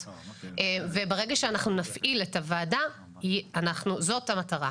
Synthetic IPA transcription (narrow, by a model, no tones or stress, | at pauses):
ʔevebeʁeɡaʃeanaχnunafʔiletavaːda | ianaχnuzo̞thamataʁa̰